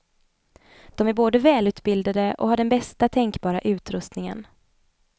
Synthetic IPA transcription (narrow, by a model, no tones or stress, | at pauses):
d̪̥ɔmæɾboːd̪əvɛːlʉ̟ːt̪bɪld̪ad̪əʔɔ̰haɖɛnbɛst̪at̪ʰɛŋkbɑːɾaʔʉ̟ːt̪ɾɵst̪nɪŋə̰n